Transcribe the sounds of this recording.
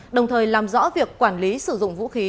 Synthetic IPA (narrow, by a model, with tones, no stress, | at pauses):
ɗə˨˩wŋ͡mt̪ʰəː˨˩jlaː˨˩mzɔ̰˧˥vi˨˩əkːwaː˧˩nli˨˦sɨ˧˩zʊ̰˧˨ŋ͡mvṵ˧˥xi˨˦